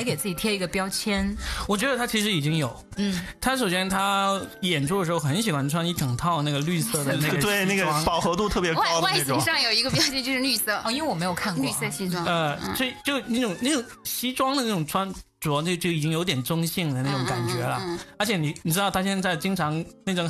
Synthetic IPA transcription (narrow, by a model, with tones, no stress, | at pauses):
ke˨˩ɪt͡sɹ̩˥˩t͡ɕi˨˩t̪ʰjɛ˥i˧˥ɡə˧pjɑ˥ʊt͡ɕʰjɛ˥nwɔ˨˩t͡ɕɥɛ˧˥d̪ə˧t̪ʰa˥t͡ɕʰi˧˥ʂɻ̩˧˥i˨˩t͡ɕi˥ŋjo˨˩˦ʊn̩˥˩t̪ʰa˥ʂo˨˩ɕjɛ˥nt̪ʰa˥jɛ˨˩nʈ͡ʂʰu˥də˩ʂɻxo˥˧ʊxə˧˥nɕ̬i˨˩xwa˧˥nʈ͡ʂʰwa˥ni˧˥t̪ʰɤ˨˩ŋt̪ʰɑ˥˧ʊna˥˩ɡə˩ly˥˧sɤ˥˩d̪ə˩na˥˩˧ɡt̪we˥˩ɪn˥˩ɡə˥pɑ˨˩ʊxɤ˧˥t̪u˥˧t̪ʰɤ˥˩p̬jɛ˧˥˧ʊwa˥˧ɪ˥˩˥ʂɑ˥˩ŋjo˨˩ʊi˧˥ɡə˧p̬jɑ˥ʊt͡ɕʰɛ˥˧t͡ɕjo˥˧ʊʂɻ̩˥ly˥˧sɤ˥˩ɔ˥˧i˥nwe˥˧wɔ˨˩m˧˥jo˨˩ʊkʰa˥˧˥y˥˧sɤ˥˧ɕi˥wə˥˧so˥˩˥t͡ɕjo˥˩ʊna˥˩ʈ͡ʂʊ˨˩ŋna˥˩ʈ͡ʂʊ˨˩ŋ | ɕi˥ʈ͡ʂwɑ˥ŋd̪ə˨˧a˥˩ʈ͡ʂʊ˨˩ŋʈ͡ʂʰwa˥nʈ͡ʂu˨˧˩ɑ˥no˥˩ʊt͡ɕjo˥˩i˨˩t͡ɕi˥ŋjo˧˥t̪jɛ˨˩nʈ͡ʂʊ˥ŋɕi˥˩ŋd̪ə˩na˥˩ʈ͡ʂʊ˨˧˥ŋka˨˩nt͡ɕɥɛ˧˥lə˧ə˧˥t͡ɕʰjɛ˧˥ni˨˧˩ni˨˩ʈ͡ʂɻ̩˥t̪ɑ˥˩ʊt̪ʰa˥ɕ̬jɛ˥˧nt͡sa˥˩ɪt͡ɕi˥ŋʈ͡ʂʰɑ˧˥ŋna˥˩ʈ͡ʂʊ˧˥ŋ